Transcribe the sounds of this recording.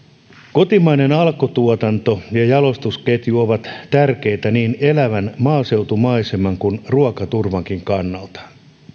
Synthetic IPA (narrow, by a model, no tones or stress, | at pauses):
ko̞t̪imɑinenɑlkot̪uot̪ɑnt̪o̞jɑjɑlo̞st̪usket̪jyoʋɑt̪t̪ærke̞jt̪æniːnelæʋænmɑːse̞wt̪umɑisemɑŋkunruɑkɑt̪urʋɑŋkiŋkɑnːɑlt̪ɑ̥